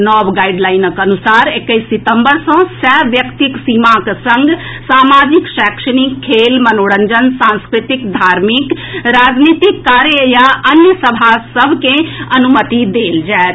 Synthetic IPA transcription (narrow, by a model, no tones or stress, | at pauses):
nɔbɡaiɖlaɪnəkɐnusaːɾekːəisːit̪əmbəɾsɔ̃sɛʋjəkt̪iksimaksə̃ŋɡsaːmaːd͡ʒikʃaːkʃənikʰːeːlmənoːɽənd͡ʒənsãnskɾit̪ikd̪ʱaːɾmikɾaːd͡ʒnit̪ikːaːɾjəjaɐnjəsəbʱasəbʱkẽɐnumət̪id̪eːld͡ʒaet̪